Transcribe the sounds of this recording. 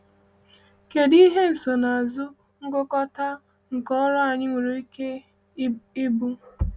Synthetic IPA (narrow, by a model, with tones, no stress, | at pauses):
ke˨di˦ɦe˦n̩˨so˨na˨a˨zʊ˦ | ŋ̩˦ɡo˦kɔ˦ta˦ | ŋ̩˨kɔ˦ɾɔ˦a˨ɲɪ˦ŋʷe˨ɾe˨i˦ke˦ | i˦bu˦